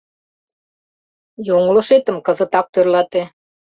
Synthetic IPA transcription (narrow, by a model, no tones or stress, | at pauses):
joŋloʃet̪əmkə̆zə̆t̪ɑk̚t̪ørlɑt̪e